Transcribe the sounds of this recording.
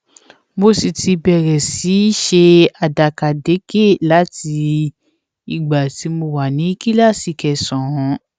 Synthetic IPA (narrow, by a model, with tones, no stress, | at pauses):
mo˧si˨ti˧bɛ˨ɾɛ˨si˨˦ʃe˧a˨da˨ka˨de˨˦ɡe˦˨la˨˦ti˧ | i˨ɡ͡ba˨ti˨˦mo˧wa˨nĩ˨˦ki˦la˦˨si˧kɛ˧sɔ̃˨hɔ̃˨˦